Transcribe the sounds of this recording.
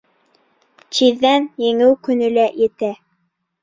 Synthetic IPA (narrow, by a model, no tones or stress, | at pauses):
t͡ɕiðːænjɘ̆ŋɘwkɵ̆nɘ̆læjɘ̆t̪æ